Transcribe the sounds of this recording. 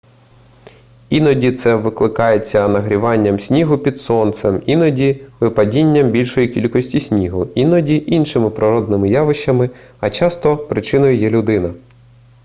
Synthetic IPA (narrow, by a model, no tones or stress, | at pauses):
inɔdʲit̪sɛʋɪklˠɪkɑjet͡sʲːɐnɐɦɾʲiʋɑnʲːɐmsʲnʲiɦʊpʲid̪sɔnt̪sɛminɔdʲiʋɪpɐdʲinʲːɐmbʲilʲʃɔjikʲilʲkɔsʲtʲisʲnʲiɦʊinɔdʲiʔinʃɪmɪpɾɪɾɔd̪̚nɪmɪjɑʋɪʃt͡ʃːɐmɪ | ɐt͡ʃɑst̪ɔpɾɪt͡ʃɪnɔjʊjɛlʲʊd̪ɪnɐ